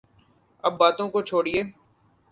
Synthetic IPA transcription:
ɐbːaːt̪õkot͡ʃʰoːɽieː

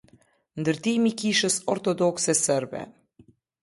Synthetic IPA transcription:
nd̪əɾt̪ijmikiʃəsɔɾt̪ɔd̪ɔksɛsəɾbɛ̰

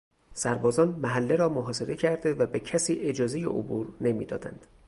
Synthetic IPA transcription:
sæɾbɒːzɒːnmæɦælːe̞ɾɒːmoɦɒːse̞ɾe̞cʰæɾd̪e̞væbecʰæsiːʔe̞d͡ʒɒːzeje̞̰ʔo̰buːɾne̞mḭːd̪ɒ̰ːd̪æ̰nd̪̥

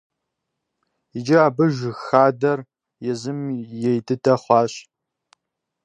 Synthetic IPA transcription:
id͡ʒɐaːbɨʒʷxaːdɐr | jɛzɨmjɛjtʰɨtʰɐχʷɑːɕ

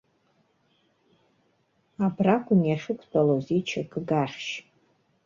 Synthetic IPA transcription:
abrakʷʼʊnijaʂɨkʷʰʼbʼalozit͡ʃʰakʰʼɡaχʲʃ

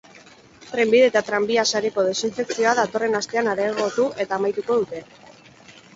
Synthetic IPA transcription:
t̪ɾe̞mbiðe̞ːt̪at̪ɾambiasaɾeko̞ð̞e̞siɱfe̞ksio̞aðat̪o̞re̞nast̪e̞anaɾaɣo̞t̪uʔe̞t̪aːmajt̪uko̞ðut̪e̞

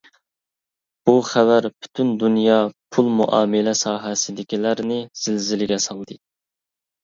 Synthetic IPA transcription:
b̥uχævæɾpʰy̥t̪ʰynd̪unjɑpʰulˠmṵʔɑ̰ːmɪlɛsɑːɦɛsɪd̪ɪkʲilæɾnɪz̥ɪlzɪlɪɡʲɛsɑlˠd̪ɨ

